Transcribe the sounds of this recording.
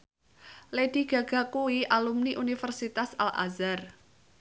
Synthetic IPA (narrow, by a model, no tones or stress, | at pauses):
led̥i̤ɡ̥ä̤ɡ̥ä̤kuiʔalumniʔunifərsit̪asa̰lʔa̰zar